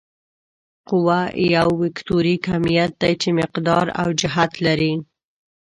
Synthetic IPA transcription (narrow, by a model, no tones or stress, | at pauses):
qʊwajawːɪkt̪oɾikamijat̪̚d̪ajt͡ʃemɪqd̪ɑɾa̰wd͡ʒɪɦat̪laɾi